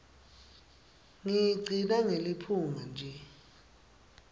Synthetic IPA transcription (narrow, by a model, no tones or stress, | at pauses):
ŋijɡ͡ǀʱinaŋelipʰuŋand͡ʒʱɛ